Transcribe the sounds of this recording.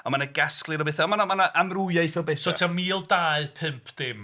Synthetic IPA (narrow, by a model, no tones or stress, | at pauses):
ɔnmanaɡasklˠɨɾɔbeθaɔmanamanaʔamrujajθɔbeːθsotʰamiːlˠdaːɨpʰɨmpʰd̥ɪm